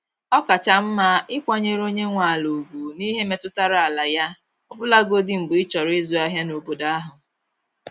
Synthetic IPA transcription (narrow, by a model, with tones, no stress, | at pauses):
ɔ˦ka˨t͡ʃa˨m̩˦ma˦ɪ˦kʷa˦ɲe˦ɾo˦ɲe˦ŋʷa˨lo˨ɡu˨ni˦ɦe˦me˨tʊ˦ta˦ɾa˨la˨ja˦ | ɔ˦bʊ˦la˦ɡo˦dɪ˦m̩˨bʊ˨ɪ˦t͡ʃɔ˨ɾe˦zu˨˦a˦ɦja˦no˨bo˨da˦a˦ɦʊ˨